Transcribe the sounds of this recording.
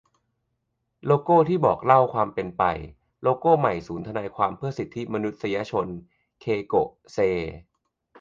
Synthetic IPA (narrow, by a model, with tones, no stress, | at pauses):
loː˧koː˥˩t̪ʰiː˥˩bɔː˨˩k̚la˥˩wkʰwaː˧mpe˧npa̰˧j | loː˧koː˥˩ma˨˩jsuː˩˦nt̪ʰa˧naː˧jkʰwaː˧mpʰɯ˥˩ɐsi˨˩t̪ʰːi˦˥ma˧nu˦˥t̪̚sa˧ja˧t͡ɕʰo˧n | kʰeː˧ko˨˩ʔ | seː˧